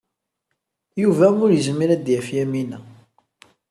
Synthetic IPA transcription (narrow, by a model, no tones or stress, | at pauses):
juvæmʊɾjəzmiɾæd̪jæfjæminæ